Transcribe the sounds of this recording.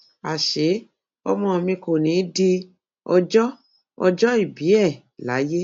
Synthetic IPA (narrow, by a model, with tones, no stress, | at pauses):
a˨ʃe˨˦ | ɔ̰˧mɔ̃˧mĩ˧ko˨nĩː˨˦di˧ | ɔ˧d͡ʒɔ˦ | ɔ˧d͡ʒɔ˦i˦˨bi˨˦ɛ˦˨ | la̰˨˦je˦